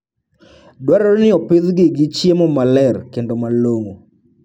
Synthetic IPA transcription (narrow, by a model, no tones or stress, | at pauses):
dwaɾɔɾnɪɔpiðɡɪɡɪt͡ʃjemɔmalɛrkendomaloŋo